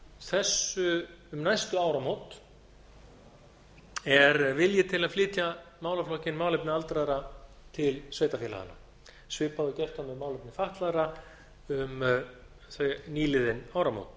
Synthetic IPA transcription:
θɛsːʏʏmnajst̪ʏaːwɾamowt̪ | ɛɾvɪljɛt̪ʰɪlaðflɪːt̪jamaːwlaflɔhcɪnmaːwlɪp̚nɪalt̪ɾaɾa | t̪ʰɪlsveːjt̪afjɛla̰ða̰nːa̰ | svɪːpaðʏcɛr̥t̪amɛmaːwlɪpnɪfaht̪laɾa | ʏm | θeniːlɪðɪnaːwɾamo̰wt̪̚

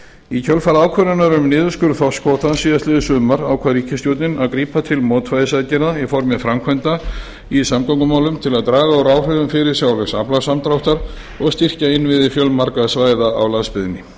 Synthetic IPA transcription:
icʰœlfaɾawkʰvœɾʏnaɾʏmnɪːðʏskʏɾθɔ̥skʰɔːt̪ansiːðasɪːðʏsʏːmaɾaːwkʰvaðɾiːcɪst̪jowt̪nɪnaðkɾiːpat̪ʰɪlmɔːt̪fajðɪsacɪnaifɔɾmɪfɾamkʰɛnt̪a | isamkɔwŋkʏmaːwlʏmt̪ʰɪlaðt̪ɾaːɣaɔɾaːwr̥œðʏmfɪɾɪɾ̥sjawlɛsaplasamt̪ɾawht̪aɾ | ɔɣst̪ir̥caɪnvɪðɪfjœlmaɾkaðsvaːjðaawlanspɪðɪnɪ

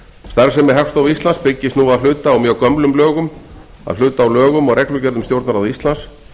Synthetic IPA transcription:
st̪aɾsɛmːɛðɦɛfst̪owvist̪lanspɪcːɪsnuːaðlʏːt̪aːwmjœːɣkœmplʏmlœːɣʏm | a̰ðlʏːt̪aːwlœːɣʏmɔɣɾɛklʏcɛɾðʏmst̪jowɾt̪naɾaðist̪lans

